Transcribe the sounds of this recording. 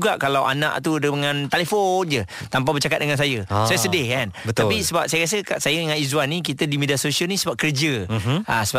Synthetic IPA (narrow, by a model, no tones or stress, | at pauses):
uɡaʔkalawʔa̰nã̰ʔt̪udəəŋãnt̪alefond͡ʒə | t̪amp̬abərt͡ʃakat̪̚dəŋans̬ajəsajəsədɪhkanbət̪apisəbap̚sajəɾas̬əkaʔsajəŋanizwanik̬it̪ədimediasosiəlnisəbap̚kərd͡ʒəa̰səba